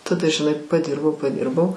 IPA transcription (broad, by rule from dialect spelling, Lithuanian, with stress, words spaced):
tɐˈdɐ ʒʲɪˈnɐɪ pɐˈdʲɪrbɐʊ pɐˈdʲɪrbɐʊ